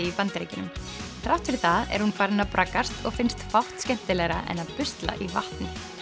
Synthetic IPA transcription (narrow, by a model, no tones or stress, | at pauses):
ɪipant̪ɾḛːjcɪnʏ̰m | θɾawht̪fɪɾθaðɛ̰ɾhunfajɾɪnapɾakːast̪ɔɣfɪnst̪fawht̪scɛm̥t̪ɪlɛːɣɾaʔɛ̰naðpʏst̪la̰ʔivaht̪nɪ